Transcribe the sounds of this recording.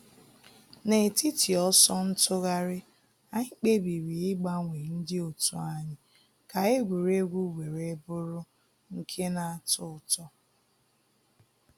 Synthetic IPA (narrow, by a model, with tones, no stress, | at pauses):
ne˨ti˦ti˨ɔ˦sɔ˦n̩˦tʊ˦ɣa˦ɾɪ˦ | a˦ŋ̩˦k͡pe˦bi˨ɾi˨ɪ˦ɡ͡ba˦ŋʷe˨n̩˦dɪ˦o˨tu˦a˦ɲɪ˦ | ka˨e˦ɡʷe˨ɾe˦ɡʷu˦ɡʷe˨ɾe˦bʊ˦ɾʊ˦ | ŋ̩˦kʰe˦na˨a˨tʊ˦ʊ˨tɔ˦